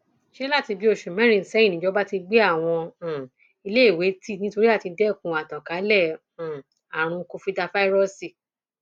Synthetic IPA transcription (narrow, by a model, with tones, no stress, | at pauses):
ʃe˦i˦la˦˨ti˧bi˧˦o˦˨ʃu˨mɛ̃˨˦ɾ̃ĩ˧˨n̩˨sɛ˨˦ĩ˦˨nĩ˨˦d͡ʒɔ˦ba˦ti˧ɡ͡be˦a˦˨w̃ɔ̃˧ã˨ | i˧le˦i˦˨we˨˦ti˦˨nĩ˦to˧ɾi˦a˦˨ti˧dɛ˦˨kũ˨˧a˨tã˨ka˨˦lɛ̃˦˨ | a˨ɾ̃ũ˧ko˧fi˧da˧fa˦i˦ɾɔ˦˨si˧˨